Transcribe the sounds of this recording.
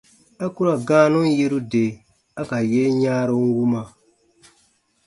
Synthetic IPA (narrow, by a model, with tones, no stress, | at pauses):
a˦ku˦ɾa˨ɡãː˦nũ˦n˦je˦ɾu˦de˨ | a˦ka˨je˦ɲaː˦ɾo˦ŋ˦wu˦ma˨